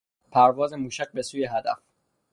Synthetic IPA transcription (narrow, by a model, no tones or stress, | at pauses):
pʰæɾvɒːzemuːʃæɡ̚be̞suːjeɦæd̪æf